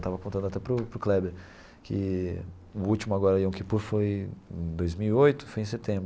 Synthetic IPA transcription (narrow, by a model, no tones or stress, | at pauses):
t̪avɐkõt̪ɐ̃nd̪ʊat̪ɛpɾʊpɾʊklɛbeɾ | kʰɪ | ʊut͡ʃimʊaɡɔɾɐiõwkipuɾfojẽd̪ojzmiwiojt̪ʊ̥fojẽset̪ẽbɾ